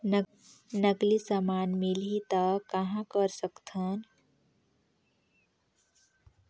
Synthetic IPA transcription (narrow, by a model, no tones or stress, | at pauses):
n | nəklisamaːnmilit̪akɐɦãkəɾsəkt̪ʰan